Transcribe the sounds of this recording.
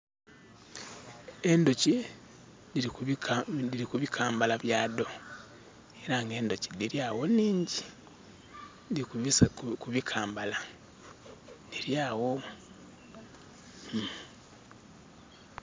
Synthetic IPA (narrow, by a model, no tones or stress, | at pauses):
endoce | dii | diikuβikʰaːmbalaβjaːdo̞ | eɾaŋɡe̞ːndo̞cediɾjaːwo̞niːɲɟi̥ | ndiuskuβikʰaːmbala | niɾjaːwo